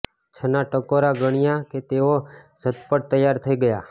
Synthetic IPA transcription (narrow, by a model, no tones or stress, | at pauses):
t͡ʃʰənaʈəkoɾaɡəɽ̃ijãket̪eo | sət̪pəʈ̚t̪əjːaɾt̪ʰəiɡəja